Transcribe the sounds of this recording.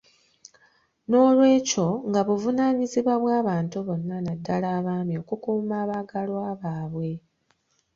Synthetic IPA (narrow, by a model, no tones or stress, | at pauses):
no̞ːlwe̞ːco̞ŋɡaβuvunaːɲiziβwaβwaːβaːntuβo̞nːanadːalaːβaːmio̞kukuːmaːβaɡalwaːβaːβwe̞